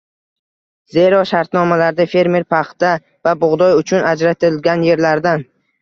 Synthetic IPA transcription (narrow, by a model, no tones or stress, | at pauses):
ze̞ɾɒʃaɾt̪nɒmalaɾd̪afe̞ɾme̞ɾpʰaχt̪a | vabʊʁd̪ɒjʊt͡ʃʰʊnad͡ʒɾat̪ʰɪlɡʲanje̞ɾlaɾd̪an